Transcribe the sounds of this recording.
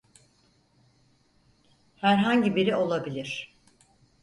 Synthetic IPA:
hæɾɦaɲɟibiɾio̞lˠabilʲiɾ̥

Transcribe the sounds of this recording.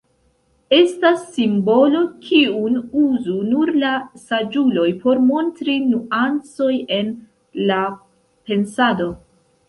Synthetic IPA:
e̞stasːimbo̞lo̞kʰiunuzunuɾlasad͡ʒulo̞jpo̞ɾmo̞ntɾinuʔant͡so̞je̞n | la | pe̞nsado̞

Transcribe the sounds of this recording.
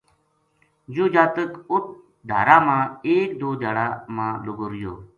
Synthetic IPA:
d͡ʒuːd͡ʒaːt̪əkʊt̪̚ʰ | ɖ̪ʱa̰ːɾaːmãːeːkd̪oːd͡ʒʱaːɽaːmãːlʊɡoɾjo̰ː

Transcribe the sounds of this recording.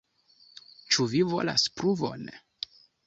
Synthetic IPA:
t͡ʃuvivo̞̰la̰spɾuvo̰n

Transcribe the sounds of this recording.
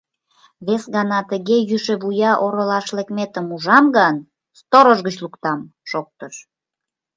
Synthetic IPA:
βesɣɑnɑt̪əɣejyʃĕβujɑʔoɾəlɑʃlekmet̪əmuʒɑmɡɑn | st̪oɾəʒɣət͡ɕlukt̪ɑm | ʃok̚t̪əʃ

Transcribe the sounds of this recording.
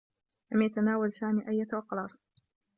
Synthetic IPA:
lamjat̪anaːwalsaːmiːʔajːat̪wɑqɑlɑːsˤ

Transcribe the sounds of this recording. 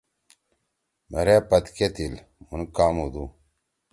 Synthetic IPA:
mɐ̰ɾepɐt̪ket̪il | munkaːmud̪u

